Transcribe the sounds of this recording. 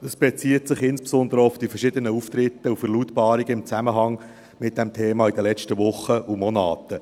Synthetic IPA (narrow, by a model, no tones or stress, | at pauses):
dəsb̥ɛt͡siːətsɪχɪnspsɔnd̪əɾəʊfd̥ifɛrʃɪd̪ənəuft̪rɪtːəufəɾlutbɑːɾiɡ̥əɪmt͡sæməɦɑŋ | mɪt̚d̥ɛmtʰeːmɑːid̪əlɛt͡ʃtəvʊχːəʔumɔnɑ̰ːt̪ə